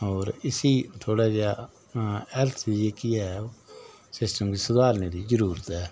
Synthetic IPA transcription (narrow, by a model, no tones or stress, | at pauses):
ɔːɾɪsiːt̪ʰoːɽaːd͡ʒaː | ɛlt̪ʰːd͡ʒeːkɪja | sɪsʈəmkiːsʊd̪aːlneːd̪iːzəɾuːɾət̪ɦɛː